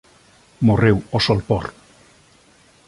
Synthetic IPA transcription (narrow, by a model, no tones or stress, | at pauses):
morewosolpɔ̰r